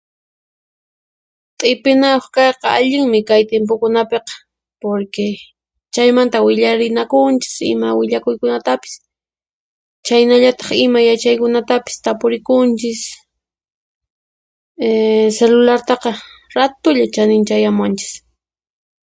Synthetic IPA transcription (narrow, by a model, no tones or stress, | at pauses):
t̪ʼɪpɪnajoχkɑjqɑaʎɪŋmɪkajt̪emp̬okʊnapeqɑ̥ | poɾke | t͡ʃajmant̪awɪʎaɾɪnakʊnt͡ʃɪ̥sɪ̰mawɪʎakʊjkʊnat̪apɪ̥s | t͡ʃajnaʎat̪ɑ̥χɪmajat͡ʃajkʊnat̪apɪ̥st̪apʊɾɪkʊnt͡ʃɪs | selʊlaɾt̪ɑqɑɾat̪ʊʎat͡ʃanɪnt͡ʃajamwant͡ʃɪ̥s